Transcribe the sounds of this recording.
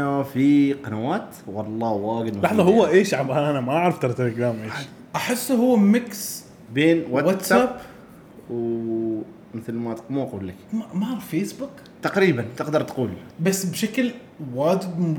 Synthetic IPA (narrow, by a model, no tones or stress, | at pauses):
afiqɑnawaːt̪ | wɑlˤːɑːwaːɡɪd̪malɑħðˤɑhʊwːaʔeːʃʕabaʔanamaʔaʕɾɑft̪ɑɾˤt̪aɾɪɡɾaːmʔeːʃ | ʔaħɪsːɦʊwːamɪks | beːnwawat̪sab | w | mɪθlmat̪quːmuʔaquːlːakmamafeːsbʊk | t̪aqɾiːbant̪ɪqd̪ɑɾˤt̪quːlbasːbʃakl | waːd͡ʒɪb